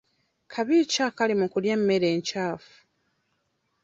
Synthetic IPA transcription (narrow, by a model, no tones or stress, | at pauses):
kʰaβiːcakalimukuljemːeɾe̞ːɲcaːfu̥